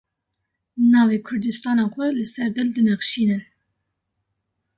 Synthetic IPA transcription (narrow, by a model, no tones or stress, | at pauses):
nɑːveːkʰʊɾd̪ɨst̪ɑːnɑːxʷɛlɨsɛɾd̪ɨld̪ɨnɛxʃiːnɨ